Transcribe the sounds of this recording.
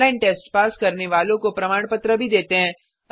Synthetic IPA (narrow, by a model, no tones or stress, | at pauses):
aɪnʈeːsʈpaːskɐɾneʋaːlõkopɾɐmaːɽ̃pət̪ɾəbʱid̪eːt̪eɦɛ̃ː